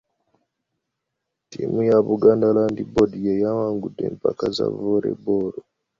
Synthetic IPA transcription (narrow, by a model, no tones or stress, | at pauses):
tḭmujaβuɡaːndalandibodijejamaːŋɡudːeːmpakaza̰voɾḛboɾo